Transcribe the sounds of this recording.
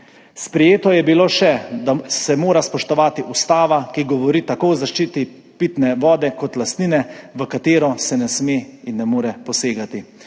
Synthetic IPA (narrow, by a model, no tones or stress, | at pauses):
spɾɛjeːt̪ɔjɛbiloːʃɛd̪asɛmoːɾaspɔʃt̪ɔʋaːt̪iʔust̪aːʋakiɡɔʋɔɾiːt̪akoɔzaʃt͡ʃiːt̪i | piːt̪nɛʋɔːd̪ɛkɔt̪last̪niːnɛʋəkat̪eːɾɔsɛnɛsmeːinːɛmoːɾɛpɔseːɡat̪i